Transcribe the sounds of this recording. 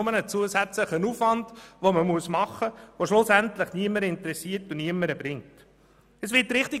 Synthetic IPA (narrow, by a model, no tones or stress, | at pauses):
ʊmənət͡suəsæt͡sləχənuːfʋɑndʋoməmuəsmɑχːəʋoʃlʊsæntləχniəməɾɪntɾɛsiːətuniəməɾəb̥ɾɪŋt | əsʋɪtːɾɪχti